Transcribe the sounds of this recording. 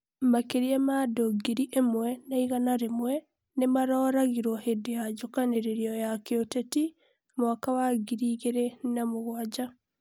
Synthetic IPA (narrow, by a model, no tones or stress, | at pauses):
makeɾiemadoɡiɾiʔemwɛnaiɣanaɾemwɛ | nemaɾɔːɾaɣiɾwɔhedead͡ʒokaneɾeɾiɔjakeoteti | mwakawaɡiɾiːɣeɾenamoɣwad͡ʒa